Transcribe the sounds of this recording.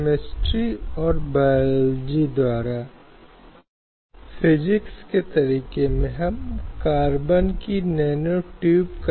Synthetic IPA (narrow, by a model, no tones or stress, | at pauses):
mɪsʈɾiɔːɾbaːld͡ʒid̪waːɾa | fʰɪd͡ʒɪksket̪ɐɾiːkemẽɦɐmkaːɾbənkinɛːnoʈjuːbk